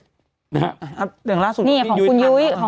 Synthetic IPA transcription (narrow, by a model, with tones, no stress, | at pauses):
a˧˩ʔa˧˩ɯ˧˩ŋlaː˥˩˨su˨˩niː˥˩kkʰɔ˨˦ku˧njuː˦˥jkɔː˩˦